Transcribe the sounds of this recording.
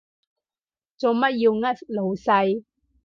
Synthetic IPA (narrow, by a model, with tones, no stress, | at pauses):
t͡so˨˧mɐ˥t̚jiː˧wŋɐ˥t̚lo˨wsɐ˧j